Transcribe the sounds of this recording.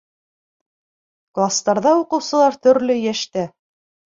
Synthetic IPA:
klˠast̪ɑɾðɑuqɤ̆wsɤ̆lˠɑɾt̪ɵ̆ɾlɵjæʃt̪æ

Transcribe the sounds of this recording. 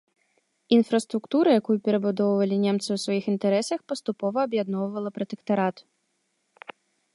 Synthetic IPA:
infɾɐst̪ɾukt̪uɾɐjakujupʲɛɾɐbud̪ɔwvɐlʲinʲɛmt̪sɨwsvɐjixint̪ɛɾɛsɐxpɐst̪upɔvɐːbjad̪nɔwvɐlˠɐpɾɐt̪ɛkt̪ɐɾat̪

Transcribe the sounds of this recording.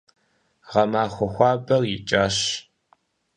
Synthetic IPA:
ʁɐmaːxʷɔxʷɑːbɐrjɪt͡ʃʼaːɕ

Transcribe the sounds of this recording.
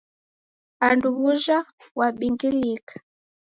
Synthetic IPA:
anduβuʒa | waɓiŋɡiliːkḁ

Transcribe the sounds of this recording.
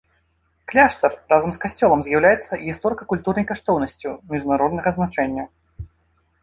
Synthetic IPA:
klʲaʂt̪ɐrrazɐmskasʲt͡sʲɔlˠɐmzʲjawlʲajɛt̪sːɐɣʲist̪ɔɾɨkɐkulʲt̪urnɐjkaʂt̪ɔwnɐsʲt͡sʲumʲiʐnaɾɔd̪nɐɣɐznat͡ʂɛnʲːɐ

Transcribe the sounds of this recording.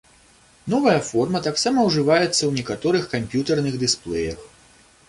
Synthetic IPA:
nɔvɐjɐfɔrmɐt̪aksamɐwʐɨvajɛt̪sːɐwnʲɛkat̪ɔɾɨxkampʲjut̪ɐrnɨɣd̪ɨsplˠɛjɐx

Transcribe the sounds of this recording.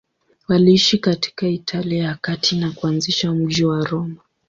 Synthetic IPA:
waliiʃikati̥kaitʰaliaakatʰinakuanziʃam̩ʄiwaɾɔma

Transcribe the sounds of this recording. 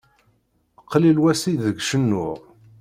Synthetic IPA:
qʰːlilwæsiðəɡʃənːʊʁ

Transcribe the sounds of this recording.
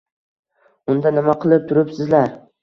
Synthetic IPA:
ʊnd̪anɪmaqʰɨlˠɪp̚t̪ʰʊɾɪpsɪzlaɾ

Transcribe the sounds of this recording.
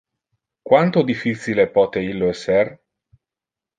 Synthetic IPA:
kwant̪od̪ifːit̪silepɔːt̪eilːoɛsːɛr

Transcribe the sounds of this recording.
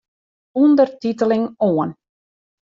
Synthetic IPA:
undərtitəlɪŋoən

